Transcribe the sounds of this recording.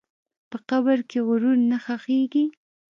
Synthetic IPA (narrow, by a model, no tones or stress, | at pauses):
pəqabəɾkeɣʊɾuɾnaxaxeɡi